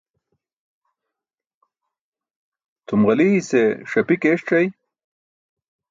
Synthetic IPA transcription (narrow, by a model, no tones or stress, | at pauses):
t̪umʁɐliːseʂɐpikeːʂʈ͡ʂɐj